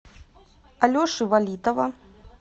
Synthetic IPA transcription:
alʲɔʂɨvalʲit̪ɐvɐ

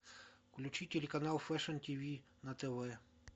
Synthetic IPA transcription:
kulʲut͡ʃitʲelʲekanalˠfɛʂənt̪ʲivʲi | nat̪ɛvɛ

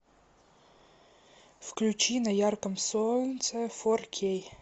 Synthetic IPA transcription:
fklʲut͡ʃinɐjarkɐmsolsɛforkʲʰej

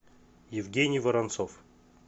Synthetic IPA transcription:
jɪvɡʲenʲɪjvəɾant̪sof

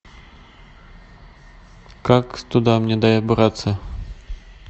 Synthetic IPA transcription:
kakt̪ʊd̪amnʲɛd̪ajɛbɨɾat̪sə

